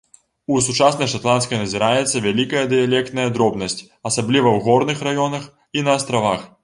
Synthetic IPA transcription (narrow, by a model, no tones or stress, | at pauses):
usut͡ʂasnɐjʂat̪lˠanskɐjnɐzʲiɾajɛt̪sːɐvʲalʲikɐjɐd̪ɨjalʲɛk̚t̪nɐjɐd̪ɾɔbnɐsʲt͡sʲ | ɐsablʲivɐwɣɔrnɨxrajɔnɐx | inɐːst̪ɾavax